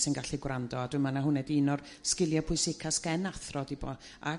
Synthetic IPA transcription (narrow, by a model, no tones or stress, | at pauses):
sɪnɡaɬiɡwrandɔadʊɨmanaɦʊnɛdinɔr | skɪlˠjapʰʊɨsɪkʰaskɛnaθrɔdʰibɔ | a̰